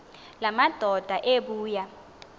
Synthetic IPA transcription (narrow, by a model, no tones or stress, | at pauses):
lamad̥ʱɔd̥ʱaʔeɓuːja